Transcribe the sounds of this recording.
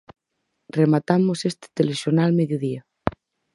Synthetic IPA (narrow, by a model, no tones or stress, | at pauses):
remat̪amosest̪e̥t̪elesonalmeðjoðia